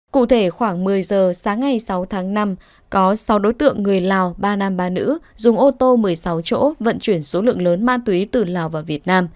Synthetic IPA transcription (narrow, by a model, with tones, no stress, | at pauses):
kṵ˧˨t̪ʰe˧˩xwaː˧˩ŋmɨ˨˩əjzəː˨˩saː˨˦ŋːa˨˩jsa˨˦wt̪ʰaː˨˦ŋna˧m | kɔ˨˦sa˨˦wɗo˨˦jt̪ɨ̰˧˨əŋːɨ˨˩əjlaː˨˩wɓaː˧naː˧mɓaː˧nɨ̰˧˥zʊ˨˩ŋ͡mʔo˧t̪o˧mɨ˨˩əjsa˨˦wt͡ɕo̰˧˥və̰˧˨nt͡ɕwi˧˩ənso˨˦lɨ̰˧˨əŋləː˨˦nma̰ː˧˥nt̪wi˨˦t̪ɨ˨˩laː˨˩wvaː˨˩wvi˨˩ət̚naː˧m